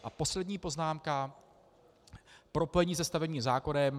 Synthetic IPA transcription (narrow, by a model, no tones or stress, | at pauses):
ʔapo̞slɛdɲiːpo̞znaːmka | pɾo̞po̞jɛɲiːs̬ɛst̪avɛbɲiːmzaːko̞nɛm